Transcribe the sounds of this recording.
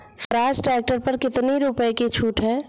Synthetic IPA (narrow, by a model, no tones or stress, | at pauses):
sɐɾaːd͡ʒʈɾɛːk̚ʈəɾpɐɾkɪt̪neɾʊpəeket͡ʃʰuːʈɦɛ̃ː